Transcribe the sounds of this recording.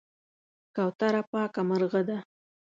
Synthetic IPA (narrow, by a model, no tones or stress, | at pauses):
kawt̪aɾapɑːkaməɾɣəd̪a